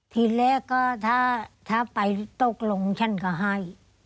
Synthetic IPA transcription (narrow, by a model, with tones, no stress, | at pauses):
t̪ʰiː˧˩lɛː˦˥kɔː˥˩t̪ʰaː˧˥˩t̪ʰaː˥˩pa˨jt̪o˧˥˩k̚lo˨˧˦ŋt͡ɕʰa˥˩nkɔː˧˩ɦa˥˩j